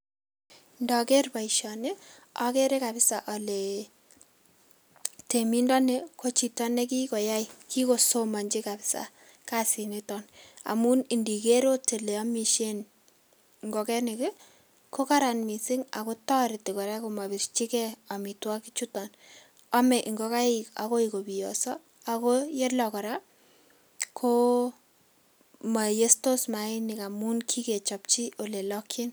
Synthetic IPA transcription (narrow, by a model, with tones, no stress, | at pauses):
ndɔ˨ke˦rpa˨iʃɔne˦ɔ˦ke˦ɾe˦ka˨bɪ˦sa˨ʔɔle˨ | te˨mi˦ndɔ˦ne˦kʰo˦t͡ʃi˨tɔ˦ne˦ki˦ko˨ja˦jki˦ko˨soma˨ɲd͡ʒi˦kabɪ̥˦sa̰˨ | ka˦si˨netɔna̰˨mu˦ni˨ndi˨ke˦ɾo˦te˨le˨ɔ˦mi˨ʃe˦n | ŋɡo˨kɛ˦ne˨ke˦ | ko˦kaɾanmi˨sɪŋa̰˨kotɔ˦ɾɪ˨tɪ˨kɔ˨ɾa˦koma˨βi˨ɾt͡ʃi˦kɛa˨mitwa˦kit͡ʃu˦tɔn | a˦mɛ˨ʔiŋɡɔka˦ɪka̰ko˦iko˨bi˨jɔ̰˨sɔ˦ | akoje˦lɔkɔ˨ɾa | kʰo | ma˨je˦sto˦sma˨ɪnɪ˨ka˨mu˦nkʰi˦ke˨t͡ʃɔ˨p̚t͡ʃi˦o˨le˨lɔkʰi˦n